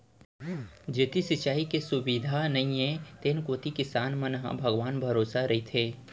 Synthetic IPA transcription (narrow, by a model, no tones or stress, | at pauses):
d͡ʒeːt̪isɪt͡ʃaːikesʊbiːd̪ʱanɐĩẽt̪eːnkoːt̪ikɪsaːnmɐnɦa̰bʱəɡʋaːnbʱɐɾoːsaɾɐɦit̪ʰeː